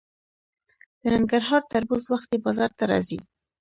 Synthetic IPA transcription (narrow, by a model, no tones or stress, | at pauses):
d̪̥ənaŋɡaɾɦɑɾt̪aɾbuzwaxt̪ebɑzɑɾt̪aɾɑ̰zi